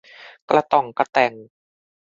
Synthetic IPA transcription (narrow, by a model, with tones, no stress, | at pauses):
klʔa˧t̪ɔ˨˩ŋka˧t̪ɛ˨˩ŋ